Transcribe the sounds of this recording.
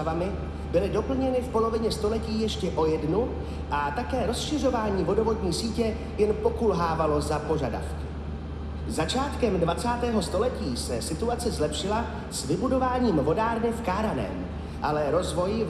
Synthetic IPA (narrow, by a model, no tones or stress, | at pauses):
vamɪ | bɪlɪdo̞pl̩ɲɛnɪfpo̞lo̞vɪɲɛst̪o̞lɛciːjɛʃcɛʔo̞jɛdnu | ʔat̪akɛːɾo̞sʃɪro̞vaːɲiːvo̞do̞vo̞dɲiːsiːcɛ | jɛnpo̞kulɦaːvalo̞zapo̞ʒada̰fkɪ̥ | zat͡ʃaːt̪kɛmdvat͡saːt̪ɛːɦo̞st̪o̞lɛciːsɛsɪt̪uat͡sɛzlɛpʃɪla | svɪbudo̞vaːɲiːmvo̞daːɾnɪfkaɾanɛ̰ːm | ʔalɛɾo̞zvo̞j